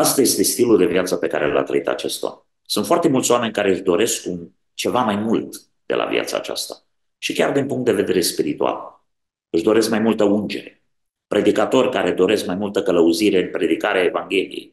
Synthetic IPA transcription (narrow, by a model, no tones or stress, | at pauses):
ast̪aje̞st̪e̞st̪iluld̪e̞vjat̪səpe̞kaɾela̰t̪ɾə̰it̪a̰t͡ʃe̞st̪oa̰ | sunt̪foart̪e̞mult̪soame̞nʲkaɾeɨʃd̪o̞ɾe̞sku | t͡ʃe̞vamajmult̪ | d̪̥e̞̰lʔa̰vj̰a̰t̪sa̰ːt͡ʃa̰st̪a | ʃikʲard̪inpuŋkt̪d̪e̞ve̞d̪e̞ɾe̞spiɾit̪ua̰l | ɨʃd̪o̞ɾe̞skmajmult̪əund͡ʒe̞̰ɾe̞ | pɾʔe̞d̪ikat̪o̞rʲkaɾe̞d̪o̞ɾe̞skmajmult̪əkələuziɾe̞ɨnpɾe̞d̪ikaɾeaevaŋɡʲe̞lḭjḛj